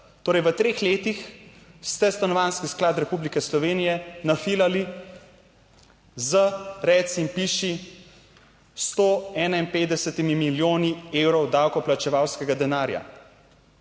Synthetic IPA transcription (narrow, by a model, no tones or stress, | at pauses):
t̪oːɾɛjʋət̪ɾeːxleːt̪ix | st̪ɛst̪anɔʋaːnskisklaːt̪ɾɛpublikɛslɔʋeːnijɛnafilali | zəɾɛt̪simpiʃi | st̪oɛːnainpeːt̪d̪ɛsɛt̪imimiljoːniewɾɔwd̪awkɔplat͡ʃɛʋawskɛɡad̪ɛnaːɾja̰